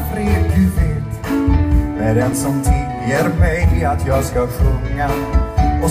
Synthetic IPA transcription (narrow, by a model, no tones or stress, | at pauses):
fɾeːjʉvet̪ | d̪æɾɛnsɔmt̪ʰɪljəɾmɛjɪat̪ʰjɑːɡskaɧɵŋːa | ɔ